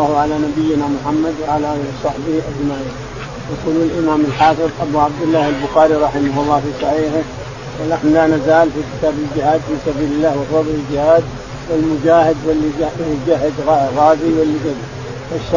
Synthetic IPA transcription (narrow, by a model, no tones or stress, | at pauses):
ahʕalanabɪjːɪnamʊħamːad̪wɪʕalasˤɑħbɪhʔad͡ʒmaːʔɪ | jaquːlulʔɪmaːmɪlħɑːfɨɾʔabuːʕab̚d̪ɪlːaːhɪlbʊxaːɾiɾˤɑħɪmaɦʊlˤːɑːfiːsaʕiːhʊm | wɪnaħnʊlaːnazaːlfikɪ̥t̪aːbɪld͡ʒɪhaːd̪fiːsabiːlɪlːaːhwɪfɑd̪ˤlɪld͡ʒɪhaːd̪ | wɪlmʊd͡ʒaːhɪd̪wɪlːiɪd͡ʒaɦːɪd̪ɣaɣaːziwɪlːiɡad̪a | faʃː